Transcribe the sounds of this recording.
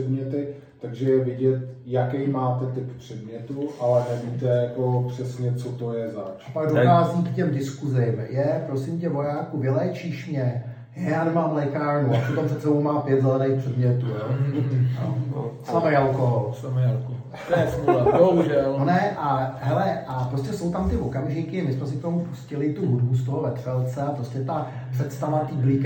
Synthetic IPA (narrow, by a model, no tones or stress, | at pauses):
ɛdmɲɛt̪ɪ | t̪aɡʒɛjɛvɪɟɛt̪jakɛjmaːt̪ɛt̪ɪppr̥ɛdmɲɛt̪uʔalɛnɛviːt̪ɛjako̞pr̝̥ɛsɲɛt͡sot̪ojɛzat͡ʃapaɡdokaːzɲikcɛmdɪskuzɪmjɛpɾo̞sɪmcɛvo̞jaːkuvɪlɛːt͡ʃiːʃmɲɛ | jajaːnɛmaːmlɛjkaːɾnuʔapot̪omprɛt̪sɛbo̞wmaːpjɛd̪zɛlɛnejxpr̥ɛdmɲɛt̪ujoː | slamɛjalkoɦolsamɛalkoɦ̪ | ɛsoaboɦuʒɛlonɛʔaɦɛlɛʔapɾoscɛso̞wt̪amt̪ɪvo̞kamʒɪkɪmɪsmɛs̬ɪk̚t̪omupuscɪlɪt̪uɦudbus̬t̪o̞ɦovɛt̪fɛlt͡sɛapɾo̞scɛt̪a | pr̥ɛt̪st̪avat̪iːblɪk